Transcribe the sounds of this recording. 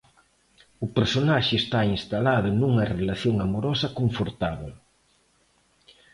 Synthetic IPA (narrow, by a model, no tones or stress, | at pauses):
ʊpeɾsonaʃɪːst̪ainst̪alaðʊnuŋɐrelaθjoŋamoɾɔsɐkoɱfoɾt̪aβe